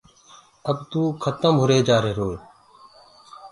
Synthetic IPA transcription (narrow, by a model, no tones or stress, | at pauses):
əbt̪uːkʰət̪əmɦʊɾeːd͡ʒaːɾeːɾoːl